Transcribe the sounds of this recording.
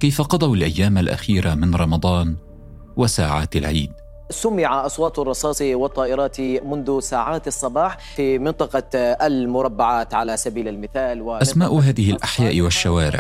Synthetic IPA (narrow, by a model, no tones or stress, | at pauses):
kajfaqɑd̪ˤɑwalʔajːaːmalʔa̰xiːɾamɪnɾˤɑmɑd̪ˤɑːn | wasaːʕa̰ːt̪alʕḭːd̪ | sʊmːɪʕaʔɑsˤwɑːt̪ˤrˤːɑsˤɑːsˤiwɑt̪ˤːɑːʔɪɾˤɑːt̪imʊnðʊsaːʕaːt̪ɑsˤːɑbɑːħ | fimɪnt̪ˤɑqɑalmʊɾˤɑbːaʕaːt̪ʕalasabiːlalmɪθaːlwɪʔasmaːʔʊɦaːðɪhɪlʔaħjaːʔɪwaʃːawaːɾɪ̰ʕ